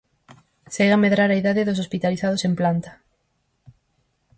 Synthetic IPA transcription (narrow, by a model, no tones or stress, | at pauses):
seɣameðɾaɾaiðaðɪðosospit̪aliθað̞osemplant̪ɐ̥